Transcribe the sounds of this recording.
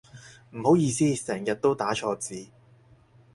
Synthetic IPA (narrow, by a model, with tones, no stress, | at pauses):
m̩˨˩ho˨˥wjiː˧siː˥sɛː˨˩ŋjɐ˨t̚t̪o˥wt̪aː˨˥t͡ʃʰɔː˧t͡siː˨˧